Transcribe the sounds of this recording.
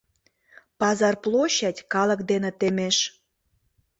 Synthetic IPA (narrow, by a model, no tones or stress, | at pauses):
pɑzɑrplˠoɕɑtʲkɑlə̆kd̪enĕt̪emeʃ